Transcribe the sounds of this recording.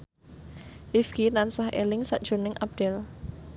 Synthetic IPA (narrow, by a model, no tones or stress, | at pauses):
rifkinansɔhḛlɪŋsa̰ʔd̥ʒ̥o̤nɪŋʔap̚d̥ɛl